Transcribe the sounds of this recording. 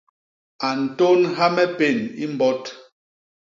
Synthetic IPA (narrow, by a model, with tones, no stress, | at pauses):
a˨n̩˨to˦nɦa˦mɛ˦pe˦˨ni˦m˦bɔ˦t